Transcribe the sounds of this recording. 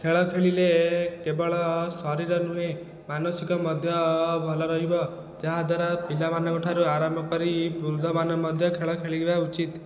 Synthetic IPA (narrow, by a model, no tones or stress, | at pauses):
kʰeɭɔkʰeɭilekebɔɭɔsɔɾiɾɔnue | manɔsikɔmɔd̪ʱjɔbʱɔlɔɾɔɦibɔ | d͡ʒaɦad̪ʱwaɾapilamanɔɡoʈʰaɾuaɾambʱɔkɔɾibuɾud̪ʱɔmanɔmɔd̪ʱjɔkʰeɭɔkʰeɭiɡebaut͡ʃit̪